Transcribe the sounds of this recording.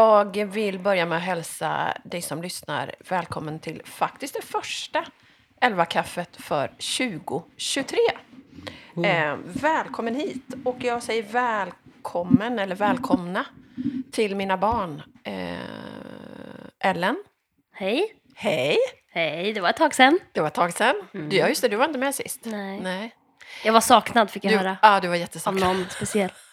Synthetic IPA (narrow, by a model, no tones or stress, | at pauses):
jɑːɡvɪlbœɾjamɛɔɦɛlsa̰d̪ɛjsɔmlʏsna̰ɾvɛːlkʰɔmːənt̪ʰɪlfak̚t̪ɪ̥st̪̚d̪ɛfœʂʈa | ʔɛlvakʰafːət̪fœ̰ɾɕʉ̟ːɡʊɕɵt̪ʰɾeː | vɛːlkʰɔmːənhiːt̪ɔkjɑːɡsɛjːəɾvɛːlkʰɔmːənɛlːəɾvɛːlkʰɔmnat̪ʰɪlmiːnabɑːɳ | ʔɛlːən | hɛj | hɛjhɛjd̪ɛvaɾɛt̪ʰːɑːɡsɛnnd̪̥ɛvaɾɛt̪ʰːɑːɡsɛnːd̪ajʏst̪əd̪ɵvaɾɪnt̪̬əmɛsɪ̰st̪nɛ | jɑːɡvaʂɑːknad̪fɪkjahœːɾaɑːd̪ɵvaɾjɛt̪ːəsɔɔnspɛsɪɛl